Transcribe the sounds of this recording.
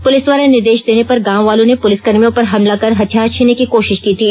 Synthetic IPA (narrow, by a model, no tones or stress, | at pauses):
pʊlɪsd̪ʋaːɾenɪɾd̪eːʃd̪eːnepɐɾɡãːʋʋaːlõnepʊlɪsɡɐɾmijõpɐɾɦɐmlakɐɾɦɐt̪ʰjaːɾt͡ʃʰiːnːekikoːʃɪʃkiːt̪ʰiː